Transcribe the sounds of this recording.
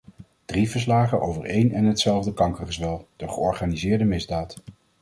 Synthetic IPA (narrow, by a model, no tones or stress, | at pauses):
d̥rivəɹs̬laːχənʔo̰wvəɹejnɛnɦətsɛlˠvdəkɑŋkəχəzʋɛlˠd̥əχəɔɹχaːnizɪːɹdəmɪzdaːt